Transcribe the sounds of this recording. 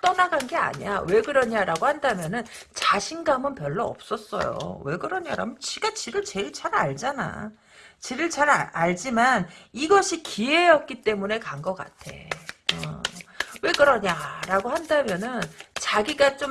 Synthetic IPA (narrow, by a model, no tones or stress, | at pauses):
t͈ʌnaɡanɡe̞a̰ɲia̰we̞ɡɯɾʌɲaɾaɡohandamjʌnɯnt͡ɕaɕʰinɡamɯnpjʌɭːʌʌ̰p̚s͈ʌs͈ʌ̰jo̰we̞ɡɯɾʌɲa̰ɾa̰mjʌnt͡ɕiɡat͡ɕiɾɯɭt͡ɕe̞iɭt͡ɕaɾa̰ɭd͡ʑana̰ | t͡ɕiɾɯɭt͡ɕaɾaaɭd͡ʑimaniɡʌɕʰikʰie̞ʌp̚k͈it͈e̞mune̞kaŋɡʌk͈a̰tʰe̞̰ʌ̰ | we̞ɡɯɾʌɲaɾaɡohandamjʌnɯnt͡ɕaɡiɡat͡ɕ͈om